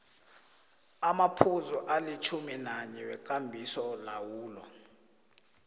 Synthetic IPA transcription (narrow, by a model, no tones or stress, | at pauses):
amapʰuzuʔalit͡ʃʰuminaɲɛwɛk̬ʼambʱisɔlawuːlɔ